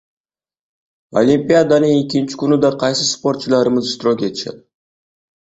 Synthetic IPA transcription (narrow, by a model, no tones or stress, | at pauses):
olʲimpijad̪anɪŋekʲʰːɪnt͡ʃʰɪ̥kʲʊnɪd̪aqʰɑjsɪspo̞ɾt̪̚t͡ʃʰɪlˠaɾɪmɪzɪʃt̪ɪɾɑkʲet̪ʰɪ̥ʃɛ̰d̪